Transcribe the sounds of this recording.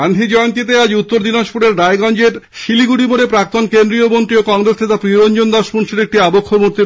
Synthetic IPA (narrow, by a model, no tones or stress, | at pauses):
and̪ʰʱid͡ʑɔeont̪it̪̬ead͡ʑut̪ːoɾd̪inaʃpuɽeɾɖaeɡɔnd͡ʑeɾ | ʃiliɡuɽiboɽepɾak̚t̪onkend̪ɾiobont̪ɾiokɔŋɾesnet̪apɾioɾond͡ʑond̪aʃmunʃeɾek̚ʈiabokʰːomuɾt̪i